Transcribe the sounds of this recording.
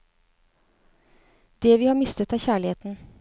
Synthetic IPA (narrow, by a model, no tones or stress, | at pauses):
d̪̥eːʋiːhɑːmɪst̪ət̪æːɾçæːɭɪheːt̪n̩